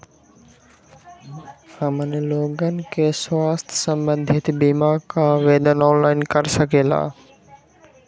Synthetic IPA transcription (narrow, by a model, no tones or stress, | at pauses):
həmənloːɡənɪ̆keswaːst̪ʰə̥sə̃mbə̃nd̪ʱɪt̪biːmakaʋeːd̪ənɔːnlaːɪnkəɾsəkeːla̰ː